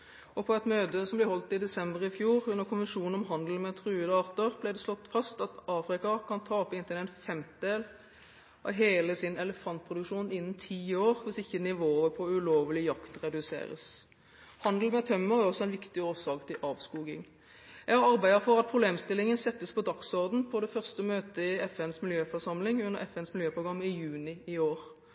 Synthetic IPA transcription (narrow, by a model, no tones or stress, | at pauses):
ɔpʰɔɛt̪møːt̪əsɔmblæhɔlt̪ɪd̪ɛsɛmbəʁɪfjuːʁʉnːəʁkʰʊnʋənʂuːnn̩ɔmɦɑnd̪l̩mɛt̪ʰɾʉːəd̪əɑːʁt̪əʁblæɪd̪ɛslɔt̪ːfɑst̪ɑt̪ʔɑːfɾɪkɑkʰɑnt̪ʰɑːɔpːɪnt̪ɪnænfɛmt̪d̪eːl | ʔɑ̰ʋɦeːləsɪnɛləfɑnt̪̚pʰɾʊd̪ʉkʂuːnɪnːn̩t̪ʰiːoːʁʋɪsɪçːənɪʋoːəpʰɔʉloːʋlɪjɑkt̪ʁɛd̪ʉsḛːɾə̰s | hɑnd̪l̩mɛt̪ʰœmːəʁæʁɔsːɔɛɪnʋɪkt̪ɪoːʁsɑːkt̪ʰɪlʔɑːʋskuːɡɪ̰ŋ | ɛɡɑʁɑʁbæɪd̪əfɔʁɑt̪̚pʰʁʊbleːmst̪ɪlɪŋənsɛt̪ːəspʰɔd̪ɑksɔʁd̪n̩pʰɔd̪ɛfœʁst̪əmøːt̪əɪɛfɛnsmɪljøːfɔʁʂɑmlɪŋʉnːəʁɛfɛnsmɪljøːpʰɾʊɡʁɑmːɪjʉːnɪɪoːɾ